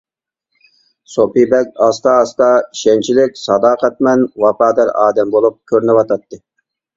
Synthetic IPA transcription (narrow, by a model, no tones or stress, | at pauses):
sopibɛkʲɑst̪ɑːst̪ɑi̥ʃɛnt͡ʃʰilɪkʲsɑd̪ɑːqʰɛt̪̚mɛnwɑpɑːd̪ɛɾɑ̰ːd̪ɛmbolˠup̚kʲʰøɾnɪwɑt̪ʰɑt̪ːɨ